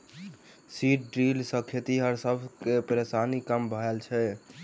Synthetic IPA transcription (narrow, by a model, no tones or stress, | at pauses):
siʈɖɾilsəkʰet̪iɦəɾsəbʱkepɾesanikəmbʱəelt͡ʃʰɛ